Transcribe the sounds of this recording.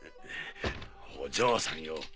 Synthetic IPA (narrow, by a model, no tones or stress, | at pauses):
hod͡ʑoːsãŋjo